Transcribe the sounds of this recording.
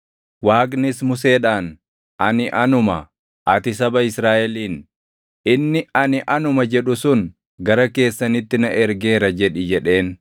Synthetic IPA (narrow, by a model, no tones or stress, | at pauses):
waːknɪsmʊse̞ːᶑaːn | ʔɐnɪʔɐnʊmɐ | ʔɐt̪ɪs̬ɐbɐɪsɾaːʔɛliːn | ʔɪnːɪɐnɪʔɐnʊmɐd͡ʒɛᶑʊsʊn | ɡɐɾɐke̞ːsːɐnɪt̪ːɪnɐʔɛɾɡe̞ːɾɐd͡ʒɛᶑɪd͡ʒɛᶑe̞ːn